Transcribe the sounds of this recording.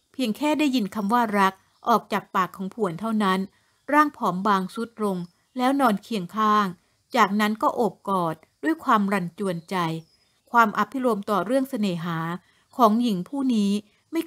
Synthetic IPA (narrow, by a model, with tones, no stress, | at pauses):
pʰi˧əŋkʰɛː˥˩daː˥˩jːi˧nkʰa˧mwaː˥˩ɾa˦˥k̚ | ʔɔː˨˩k̚t͡ɕaː˨˩k̚paː˨˩kʰːɔː˩˦ŋpʰu˨˩ənt̪ʰa˥˩wna˦˥n | ɾaː˥˩ŋpʰɔː˩˦mbaː˧ŋsu˦˥t̪̚ɾo˧ŋ | lɛː˦˥wnɔː˧nkʰi˧əŋkʰaː˥˩ŋ | t͡ɕaː˨˩k̚na˦˥nkɔː˥˩ʔoː˨˩p̚kɔː˨˩t̪̚du˥˩əjkʰwaː˧mɾa˧nt͡ɕu˧˩ənt͡ɕa˧j | kʰwaː˧mʔa˧˩pʰːi˦˥ɾo˧mt̪ɔː˨˩ɾɯ˥˩əŋsa˧neː˨˩˦ɦaː˩˦ | kʰɔː˩˦ŋji˨˩˦ŋpʰuː˥˩niː˦˥ | ma˥˩j